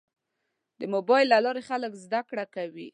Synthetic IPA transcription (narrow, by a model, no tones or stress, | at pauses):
d̪əmobɑjlːalɑɾexaləkzd̪akɽakawḭ